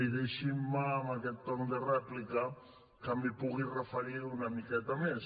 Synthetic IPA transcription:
iðeʃimːaŋakɛt̪ːɔŋd̪erɛplika | kamipuɣirefaɾiɾunamikɛt̪ames

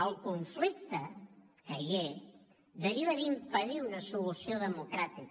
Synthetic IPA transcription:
əlˠkuɱflik̚t̪ə | kəʎe | ðəɾiβəðimpəðiunəsulusioðəmukɾat̪ik

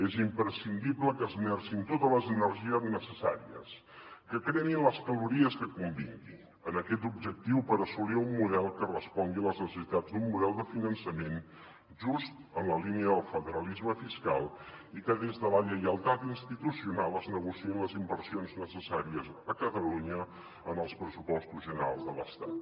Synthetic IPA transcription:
ezimpɾəsind̪ibləkəzmɛrsint̪ot̪ələzənəɾʒiəznəsəsa̰ɾḭə̰s | kəkɾeninləskəluɾiəskəkumbḭŋɡi | ənəkɛt̪̬ub̚ʒək̚t̪iwpəɾəsuliumːuðɛlˠkərəspɔŋɡiələznəsəsit̪ad͡zd̪umːuðɛlˠd̪əfinənsəmen | ʒust̪ənləliniəðəlˠfəðəɾəlizməfiska̰lˠikəðezðələʎəjəlˠt̪at̪inst̪it̪usiunalˠəznəɣusiinləzimbəɾsionznəsəsaɾiəzəkət̪əluɲə | ənəlˠspɾəsupɔst̪uzʒənəɾa̰lˠzðələst̪at̪

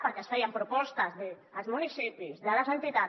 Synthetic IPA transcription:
pəɾkɛsfɛjampɾupɔst̪azðeː | lzmunisipizðalazent̪it̪a

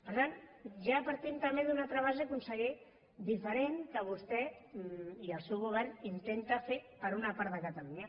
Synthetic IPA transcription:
pəɾt̪anʒapəɾt̪imt̪əmbeðunalˠt̪ɾəβ̞azekunsəɣe | d̪ifəɾeŋkəβ̞ust̪ɛ | iəlˠsɛwɣuβ̞ɛɾnint̪ent̪afepəɾunapaɾt̪ðəkət̪əluɲa

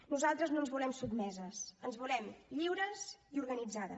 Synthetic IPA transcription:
nuzalˠt̪ɾəznoənzβulɛmsud̪mɛzəsənzβulɛmʎiwɾəziuɾɣənid͡zaðə

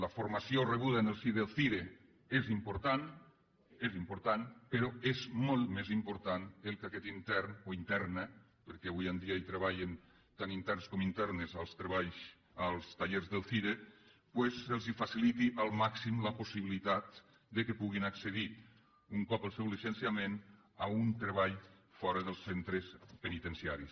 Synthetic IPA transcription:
ləfoɾmasioreβ̞uð̞aenelˠsiðelˠθiɾe | ezimpoɾt̪an | ezimpoɾt̪anpeɾɔezmolˠt̪mezimpoɾt̪anelˠkakɛt̪int̪ɛɾnoint̪ɛɾnə | peɾkɛaβujend̪iait̪ɾeβaʎen | t̪anint̪ɛɾnskɔmint̪ɛɾnezalˠst̪ɾeβaʎs | alˠst̪aʎeɾzðəlˠθiɾe | pwɛzəlˠzifasilit̪iʔalˠmaksimləposiβilit̪at̪̚ | d̪əkəpuɣinaksəði | uŋkɔpəlˠsɛwlisensiamen | aunt̪ɾeβaʎfɔɾəðəlˠsent̪ɾəspənit̪ənsiaɾis

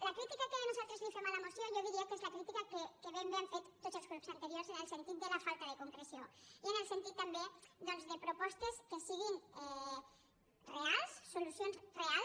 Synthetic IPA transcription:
lakɾit̪ikakeðenosalt̪ɾezlifemalamosjonjoβiɾiokezlakɾit̪ikakekeβembeaɱfet̪t̪ːot̪zelskɾupsant̪eɾjoɾsenelsent̪it̪̚d̪elafalt̪aðekoŋkɾesjoienelsent̪it̪ːambed̪onzðepɾopɔst̪eskesiɣ̞ine | realsːolusjonzreal

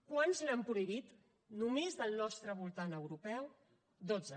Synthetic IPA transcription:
kwanzlampɾuiβit̪ | numezðəlˠnɔst̪ɾəβ̞ulˠt̪anəwɾupɛw | d̪od͡zzə

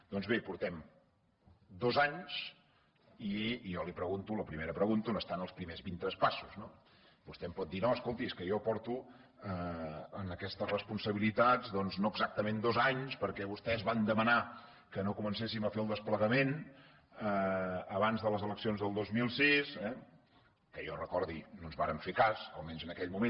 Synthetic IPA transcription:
d̪̥ɔnzβepuɾt̪ɛm | d̪ozaɲs | ijɔlipɾəɣunt̪uləpɾimeɾəpɾəɣunt̪onəst̪anəlˠspɾimezβint̪ɾɛspasuzno | bust̪ɛmpɔt̪̚d̪inoəskolˠt̪iskəjɔpɔɾt̪uəənəkɛst̪əzrəspunsəβilit̪ad͡zðɔnznoəɡzak̚t̪əmend̪ozaɲspəɾkɛβust̪ɛzβand̪əməna | kənokumənsesiməfeəlˠd̪əspləɣəmen | əəβanzðələzələksionzðəlˠd̪ozmilˠsisɛ | kəjɔrəkɔɾðinonzβaɾəɱfekasəlˠmɛnzənəkɛʎmumẽn

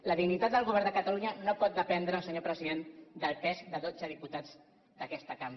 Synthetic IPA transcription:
ləðiɣnit̪at̪d̪əlˠɣuβɛɾnd̪əkət̪aluɲənopɔt̪̚d̪əpɛnd̪ɾəːlsəɲopɾəziðend̪əlˠpɛzd̪əðod͡zəðiput̪ad͡z | d̪əkɛst̪əkam

